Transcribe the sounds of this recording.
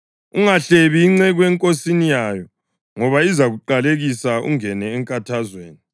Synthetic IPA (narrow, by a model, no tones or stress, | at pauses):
uŋaɬeβiːŋ͡ǀɛɣwɛŋkʼosinijajɔ | ŋɔβaizaɣuǃaleɣisaṵŋɛnɛːŋkʼatʰazweːni